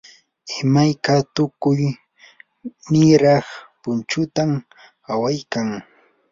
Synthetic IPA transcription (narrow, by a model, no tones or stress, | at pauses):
ɪmajkat̪ʊkʊj | nɪɾɑχpʊnt͡ʃʊt̪am | awajkaŋ